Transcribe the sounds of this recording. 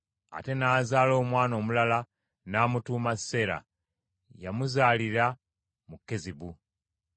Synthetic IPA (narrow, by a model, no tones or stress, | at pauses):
a̰te̞naːzaːlo̞ːmwaːno̞ːmulala | naːmutuːmasːe̞ɾa̰ | jamuzaːliɾa | mukːe̞ziβu